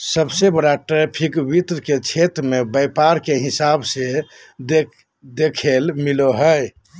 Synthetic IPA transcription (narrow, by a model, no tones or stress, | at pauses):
səbsebəɾaʈepʰikbit̪ɾket͡ʃʰet̪ɾmebəpaɾkeɦɪsabse | d̪ekʰelmiloɦəj